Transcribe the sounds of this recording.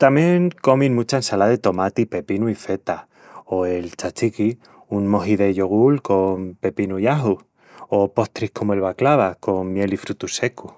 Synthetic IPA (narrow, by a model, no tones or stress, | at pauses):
t̪amje̞ŋko̞mĩnmut͡ʃaensalaðe̞t̪o̞mat̪ipe̞pinuife̞t̪a | o̞e̞lt͡ʃat͡ʃiki | unmo̞ɦiðe̞ʝo̞ɣ̞ulko̞mpe̞pinuiaɦu | o̞po̞ht̪ɾihko̞moe̞lβaklaβ̞ako̞ŋmje̞lifɾut̪use̞ku